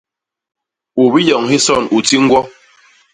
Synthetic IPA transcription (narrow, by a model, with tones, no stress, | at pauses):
u˨bi˦jɔ˨ŋɦi˦sɔ˦˨nu˨ti˦ŋ̩˦ɡwɔ˦